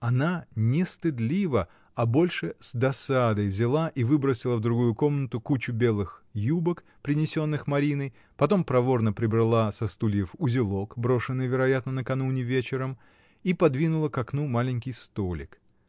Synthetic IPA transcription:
ɐnanʲɪst̪ɨd̪lʲivə | ɐbo̞lʲʂɨz̥d̪ɐsad̪əjvzʲɪlˠaʔivɨbɾəsʲɪlˠəvd̪ɾʊɡujʊko̞mnət̪ʊkut͡ɕʊbʲe̞lˠɨxjubək | pɾʲɪnʲɪsʲo̞nːɨxmɐɾʲinɨj | pɐt̪o̞mpɾɐvo̞rnəpɾʲɪbɾɐlˠasɐst̪ulʲjɪfʊzʲɪlˠo̞kbɾo̞ʂɨnːɨjvʲɪɾɐjat̪nənəkɐnunʲɪvʲet͡ɕɪɾəm | ipɐd̪vʲinʊlˠəkɐknumalʲɪnʲkʲɪjst̪olʲɪ̰k

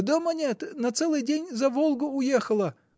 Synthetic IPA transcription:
d̪omɐnʲet̪nɐt̪sɛlˠɨjdʲenʲzɐvolˠɡʊʊjexəlˠə

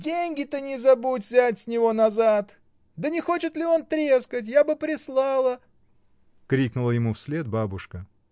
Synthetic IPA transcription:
dʲenʲɡʲɪt̪ənʲɪzɐbutʲvzʲatʲsʲnʲɪvo̞nɐzat̪ | d̪ənʲɪxo̞t͡ɕɪt̪lʲɪo̞nt̪ɾʲeskətʲjabɨpɾʲɪslˠɑlˠə | kɾʲiknʊlˠəjɪmufsʲlʲet̪̚babʊʂkə

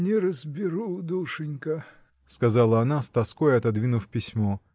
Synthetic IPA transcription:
nʲɪɾəzbʲɪɾud̪uʂɨnʲkə | skɐzalˠəɐnast̪ɐskojɐt̪ɐd̪vʲinʊfpʲɪsʲmo

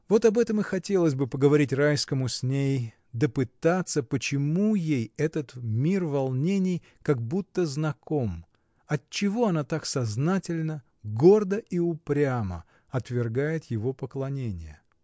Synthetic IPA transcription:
vo̞t̪ɐbɛt̪əmɨxɐtʲelˠəsʲbɨpəɡəvɐɾʲitʲrajskəmʊsʲnʲej | d̪əpɨt̪at̪sːəpət͡ɕɪmujejɛt̪ət̪mʲirvɐlˠnʲenʲɪj | kɐɡ̚but̪ːəznɐkʰo̞m | ɐtt͡ɕːɪvo̞ɐnat̪aksɐznatʲɪlʲnə | ɡo̞rd̪əʔiʊpɾʲamə̰ | ɐt̪vʲɪrɡajɪt̪jɪvo̞pəklˠɐnʲenʲɪ̰jə̰

